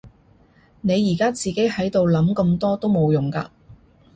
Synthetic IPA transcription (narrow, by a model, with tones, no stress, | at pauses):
ne˨˧jːiː˨˩kaː˥t͡siː˨ke˨˥jhɐ˨˥jt̪o˨wlɐ˨˥mkɐ˧mt̪ɔː˥t̪o˥wmo˨˧wjʊ˨˩ŋka̰ː˧